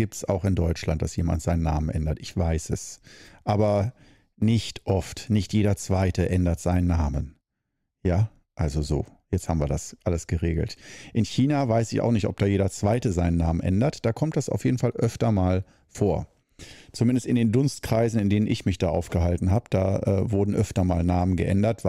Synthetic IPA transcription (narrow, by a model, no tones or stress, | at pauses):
ɡ̥iːp̚tsa̰ʊxɪndɔʏt͡ʃla̰nt̚d̥asjeːma̰ntz̥aɪnənːa̰ːmənʔɛndɐtʔɪçv̥aɪsɛsʔaːbɐ | nɪçtʔɔftnɪçtjeːdɐt͡sv̥aɪtəʔɛndɐtz̥aɪnənːaːmən | jaː | ʔalzozo̰ːjɛt͡sthaːbm̩viːɐdasʔaləsɡ̥əʁeːɡl̩tʔɪnçiːnavaɪsɪça̰ʊxnɪçtɔp̚d̥aːjeːdɐt͡sv̥aɪtəzaɪnənːaːmənʔɛ̰ndɐtd̥aːkʰɔmtd̥asa̰ʊfjeːdn̩falʔœftɐmaːl | foːɐ | t͡sumɪndəstɪndeːndʊnstkʁ̥aɪzn̩ɪndeːnənʔɪçmɪçd̥a̰ːʔa̰ʊfɡ̥əɦaltn̩ɦaːbəd̥a̰ːʔɛ̰ːvʊɐdn̩ʔœftɐmaːlnaːmənɡə̰ʔɛ̰ndɐtv